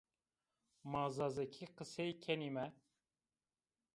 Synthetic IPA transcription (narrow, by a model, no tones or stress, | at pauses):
maːzazɛkʰiqɨsɛjcʰɛnimɛ